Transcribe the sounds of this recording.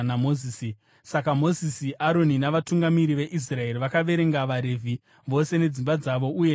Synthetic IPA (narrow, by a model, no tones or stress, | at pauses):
namozisi | sakamo̞zisiʔaɾo̞ninaʋatuŋɡamiɾiʋe̞ʔis̬rae̞riʋakaʋe̞ɾe̞ŋɡaʋaɾe̞vʱi | ʋo̞se̞ne̞d͡zimbad͡zaʋo̞uje